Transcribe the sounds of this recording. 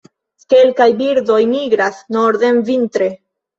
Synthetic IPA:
kelkajbiɾdojmiɡɾasnoɾðemvint̪ɾe

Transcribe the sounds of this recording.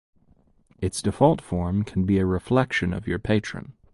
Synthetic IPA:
ɨtsd̥ɨfɔlˠtfɔɹmkʰn̩biɨɹɨflɛkʃɨ̃nʌ̰vjə˞pʰeɪt͡ʃɹ̥ɨ̰̃n

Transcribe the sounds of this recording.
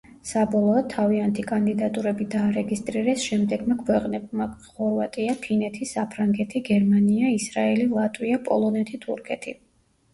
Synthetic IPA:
sabɔlˠɔːd̪̥̚t̪ʰaviant̪ʰikʼand̪id̪at̪ʼuɾɛbid̪aːɾɛɡist̪ʼɾiɾɛsʃɛmd̪ɛɡmakʰwɛqʼnɛb̚maχɔɾvat̪ʼiapʰinɛt̪ʰisapʰɾaŋɡɛt̪ʰiɡɛɾmaniaisɾaɛlilˠat̪ʼwiapʼɔ̰lˠɔnɛt̪ʰit̪ʰṵɾkʰɛt̪ʰḭ

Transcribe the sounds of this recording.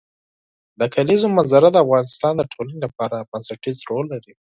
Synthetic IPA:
d̪əkʰalizomanzaɾad̪əafɣɑnɪst̪ɑnd̪əʈʰolanilapɑɾabansaʈizɾolːaɾi

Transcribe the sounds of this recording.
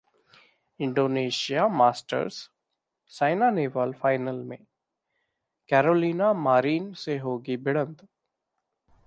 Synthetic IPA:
ɪ̃ɳɖoːneːʃijamaːsʈə̰ɾs | saːɪnaːneːʋalfʰaːɪnəlmḛ̃ | kɛːɾoːliːnamaːɾiːnseɦoːɡibɪɽ̃ə̃nd̪

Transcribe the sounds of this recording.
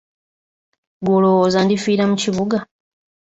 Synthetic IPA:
ɡuloozandifiːɾamuciβuɡa

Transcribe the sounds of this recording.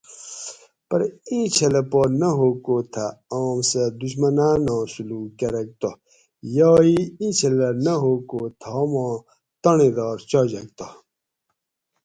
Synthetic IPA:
pɐɾĩːt͡ɕʰɐlɐponɐɦokoːt̪ʰɐɔːmsɐd̪uɕmɐnaːnõːsuluːkɐɾɐk̚t̪o | joːiĩːt͡ɕʰɐlɐnɐɦokot̪ʰom̃ː | t̪ɐnid̪ɔːɾt͡ɕɔd͡ʑɐk̚t̪o

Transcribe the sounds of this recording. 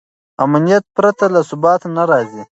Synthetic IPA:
amnijat̪̚pɾat̪alasʊbɑːt̪naɾɑːzi

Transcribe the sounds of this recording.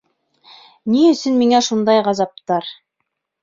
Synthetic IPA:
niɵ̆sɵnmiŋæʃund̪ɑjʁɑzɑp̚t̪ɑɾ

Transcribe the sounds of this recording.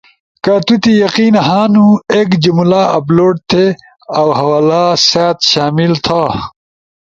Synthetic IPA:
kɐt̪ut̪ijɐqiːnɦaːnũekd͡ʑumulaːɐploːʈ̚t̪ʰe | ɐwɦɐwaːlaːsaːt̪ɕaːmilt̪ʰa

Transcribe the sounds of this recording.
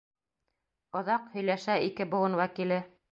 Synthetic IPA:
ŏðɑqhɵ̆jlæʃæikɘbŏwˠɤnwækilɘ

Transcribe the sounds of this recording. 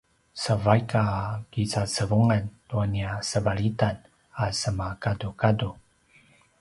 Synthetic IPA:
səvajkakit͡sat͡səvuŋantuaniasəbaɭitan | asəmakadukadu

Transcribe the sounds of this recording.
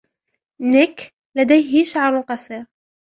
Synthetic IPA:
nɪk | lad̪ajɦɪʃaʕɾˤʊlqɑsˤiːɾ

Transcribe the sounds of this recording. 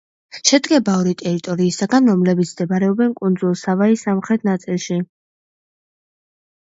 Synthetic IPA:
ʃɛd̪ɡɛbaɔɾit̪ʼɛɾit̪ʼɔɾiːsaɡanɾɔmlɛbit̪sʰmd̪ɛbaɾɛɔbɛnkʼund̪zulˠsavaisamχɾɛt̪̚ʰnat̪sʼilˠʃi

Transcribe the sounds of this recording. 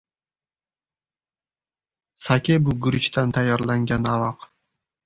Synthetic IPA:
sakʲebʊɡʊɾɪt͡ʃt̪ʰant̪ʰajːɒɾlaŋɡʲanavɑq

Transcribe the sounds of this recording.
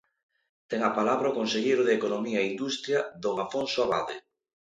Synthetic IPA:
t̪ɛŋapalaβɾaokonseʎejɾʊð̞eːkonomiaeind̪ust̪ɾjaðoŋafonsoaβa̰ðe

